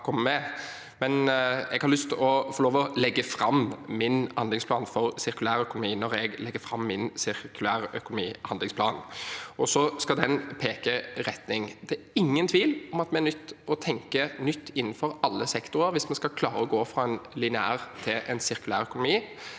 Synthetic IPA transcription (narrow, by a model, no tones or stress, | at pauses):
kʰɔmːəmɛ | mɛnɛ̰ɡhɑɾlʏst̪ɔfɔɾloːʋɔlɛɡːəfɾɑmmɪnhɑnd̪ɪŋspʰlɑːnfɔɾsɪɾkʉlæːɾœkʊnʊmiːnɔɾɛɡlɛɡːəfɾɑmːɪnsɪʁkʉlæːɾœkʊnʊmḭːhɑnd̪lɪŋspʰlɑ̰ːnɔsɔskɑd̪ɛnpʰeːkəɾɛt̪nɪŋd̪̥ɛæ | ɪŋːənt̪ʰʋiːlɔmɑt̪mɛæɾnʏt̪ːɔt̪ʰɛŋkənʏt̪ːɪnːnfɔɾɑlːəsɛkt̪ʊɾəɾʋɪsmɛnskɑkʰlɑːɾəɔɡoːfɾɑːɛnlɪnɪæ̰ːʁt̪ʰɪlʔɛnsɪɾkʉlæːɾœkʊnʊmiː